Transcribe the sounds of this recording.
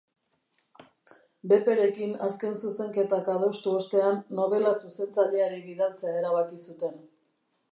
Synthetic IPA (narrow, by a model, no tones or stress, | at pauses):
be̞pe̞ɾe̞kinaske̞nsuse̞ŋke̞t̪akaðo̞st̪uo̞st̪e̞anːo̞β̞e̞lasuse̞nt͡saʎe̞aɾiβiðalt͡seaeɾaβakisut̪e̞n